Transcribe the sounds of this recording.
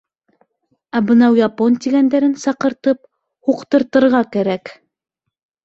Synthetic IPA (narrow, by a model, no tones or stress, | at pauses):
æbɤ̆nɑwjɑpont̪iɡænd̪æɾɘnsɑqɤ̆ɾt̪ɤp̚ | huqt̪ɤ̆ɾt̪ɤ̆ɾʁɑkæɾæk